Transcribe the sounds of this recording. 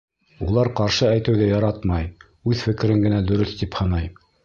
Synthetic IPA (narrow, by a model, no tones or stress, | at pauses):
ulˠɑɾqɑɾʃɤæjt̪ɘ̆wðæjɑɾɑt̪mɑj | ʉðfɘ̆kɘ̆ɾɘŋɡɘ̆næd̪ɵ̆ɾɵθt̪iphɤ̆nɑj